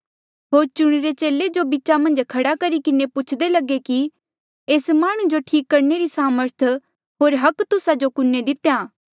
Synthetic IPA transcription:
ɦoːɾt͡ʃʊɽ̃eɾet͡ʃeːled͡ʒobit͡ʃamɐ̃nd͡ʒkʰɐɽakɐɾikɪnepʊt͡ʃʰd̪elɐɡeki | eːsmaːɽ̃ũd͡ʒoʈʰiːkːɐɾneɾisaːməɾt̪ʰ | ɦoːɾɦɐkt̪ʊsad͡ʒokʊnːed̪ɪt̪jaː

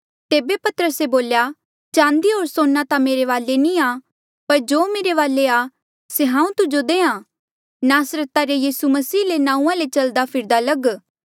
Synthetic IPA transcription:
t̪eːbepɐt̪əɾəseboːlja | t͡ʃãːnd̪iɦoːɾsoːnːat̪ameːɾeʋaːlenia | pɐɾd͡ʒoːmeːɾeʋaːlea | seɦãːũt̪ʊd͡ʒod̪eːã | naːsɾət̪aɾejiːsumɐsiːlenãːũːãlet͡ʃɐld̪apʰɪɾd̪alɐɡ

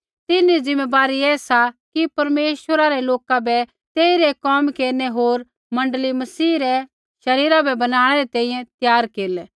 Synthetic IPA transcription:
t̪ɪnːizɪ̃mːebaːɾiɛːsakipɐɾmeːʃwəɾaɾɛloːkabɛ | t̪eːiɾɛkɔːmkeːɾnɛɦoːɾ | mɐ̃ɳɖəlimɐsiːɾɛ | ʃɐɾiːɾabɛbɐnaːɽ̃ɛɾɛt̪ɛ̃ːĩjɛ̃t̪jaːɾkeːlɛ

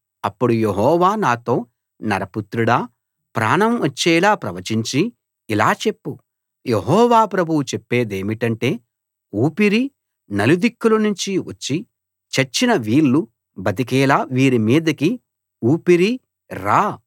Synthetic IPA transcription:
ɐpːuɽujeɦɔːʋaːnaːt̪o̞ː | nɐ̰ɾɐput̪ɾuɽaː | pɾa̰ːɳɐmʋɐt͡ʃːɛːlaːpɾɐʋɐt͡ʃiɲt͡ʃi | ilaːt͡ʃe̞pːu | jeɦɔːʋaːpɾɐbʱuwut͡ʃepːe̞ːd̪eːmiʈɐɳʈe̞ː | uːpiɾi | nɐlud̪ikːulɐnuɲt͡ʃiʋɐ̰t͡ʃːi | t͡ʃɐt͡ʃːinɐʋiːlːu | bɐt̪ik̬ɛːlaːʋiːɾimiːd̪ɐki | uːpiɾi | ɾaː

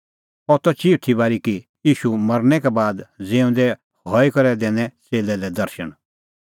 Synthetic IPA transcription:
ɔt̪ɔt͡ʃiːut̪ʰibaːɾiki | jiːʃumɐɾnɛkɛbaːd̪d͡zeːʊ̃nd̪ɛ | hɔikɐɾɛd̪ɛ̃ːnɛ̃t͡seːlɛlɛd̪ɐɾʃən

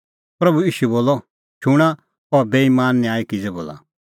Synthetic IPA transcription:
pɾɐbuiːʃuɛboːlɔ | t͡ʃʰʊɽ̃a | ɔɾbeːimaːnːĩaːikid͡zɛbo̰ːla̰

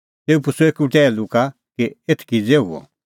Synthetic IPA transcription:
t̪eːupʊsuekuʈɛːluka | kiet̪ʰkid͡zeɦṵɔ̰

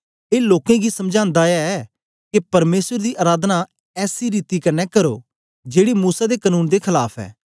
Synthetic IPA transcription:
eːloːkẽɡisɐmd͡ʒãːnd̪aaɛː | kepɐɾmeːsəɾd̪iːʔaːɾaːd̪na | ɛːsiɾiːt̪ikɐnɛkɐɾo̰ː | d͡ʒeːɽimuːsad̪eːkənuːnd̪eːkʰəlaːpʰɛ̰ː

